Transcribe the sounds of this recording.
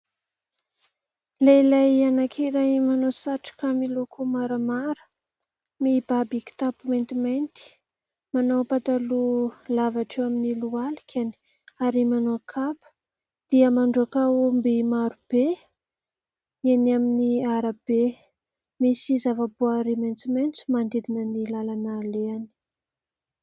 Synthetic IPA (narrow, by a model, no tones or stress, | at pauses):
lelajanakʰeɾajmanosaʈ͡ʂḁkamilokʰumaɾəmaɾə̥ | mib̥abiki̥t̪apumajnt̪imajnt̪i̥ | manowpat̪alulavaʈ͡ʂewaminilualikʰʲani̥ | aɾimanoakʰapə̥ | d̪̥iəmaɳɖ͡ʐuakaumbimaɾub̥e | enaminiaɾab̥e | misizavaboaɾimajnt͡siment͡sumand̪ed̪inənilalanaleani̥